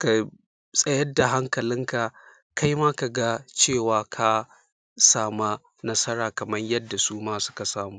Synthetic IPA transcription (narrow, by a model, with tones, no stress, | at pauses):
ka˨ | sʼɐ˦jɐ˦da˨ɦa˦ŋkɐ˨lɪ˦ŋka˨ | ka˦jma˦ka˨ɡa˦t͡ʃeː˦˨waː˨kʰa˦ | saː˦˨ma˦ | nɐ˦sɐ˦ɽaː˨kɐ˨mɐ˦ɲjɐ˦dːa˨suː˦maː˦sʊ̥˦ka˨saː˦˨muː˦